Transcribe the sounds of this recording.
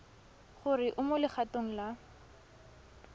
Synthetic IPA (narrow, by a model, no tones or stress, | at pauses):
χʊrɪʔʊmolɪχatoŋ̩la